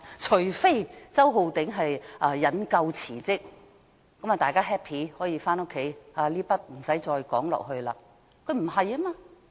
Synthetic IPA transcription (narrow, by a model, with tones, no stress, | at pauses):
t͡ʃʰɵ˨˩ɥfe˥jt͡sɐ˥wɦo˧wt̪ɪ˨˥ŋɦɐ˨jʔa˧jɐ˨˥nkɐ˧wt͡sʰiː˨˩t͡sɪ˥k̚ː | ɐ˨˥ma˨˩t̪aː˨jkaː˥ɦɛː˥pʰiː˨˥hɔː˨˥jiː˧faː˥no˥kʰːe˨˥jaː˧liː˥pɐ˥t̚m̩˨˩sɐ˨˥jt͡sɔː˧jkɔ̰ː˨˥ŋlɔ̰ː˨k̚ɦɵ˧ɥla̰ː˧ | kʰɵ˨˧ɥm̩˨˩ɦɐ˨jɐ˥maː˧